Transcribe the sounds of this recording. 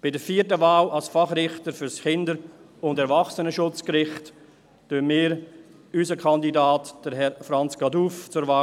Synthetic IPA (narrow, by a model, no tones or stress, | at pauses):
b̥ɪdəɾfiːəɾtəvaːlalsfɑχɾɪχtəɾfʏɾskɪndəɾ | ʊndɛɾvɑχsənəʃʊt͡skɾɪχt | tønmiːɾ | ysəkʰɑndidaːtd̥əɾɦɛfɾɑnt͡sɡ̥ɑduːft͡sʊɾvaː